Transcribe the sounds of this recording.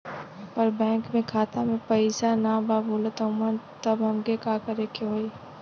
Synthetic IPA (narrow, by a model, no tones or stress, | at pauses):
pɐɾbɛ̃ːŋkmẽkʰaːt̪amẽpɐɪsanababoːlət̪əʊmən | t̪ɐbɦɐmkekakɐɾekʰeɦoːi